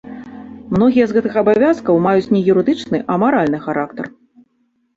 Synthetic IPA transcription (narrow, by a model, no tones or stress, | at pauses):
mnɔɣʲijɛzɣɛt̪ɨxɐbavʲaskɐwmajut͡sʲnʲɛjuɾɨd̪ɨt͡ʂnɨʔɐmaɾalʲnɨxaɾakt̪ɐ̰r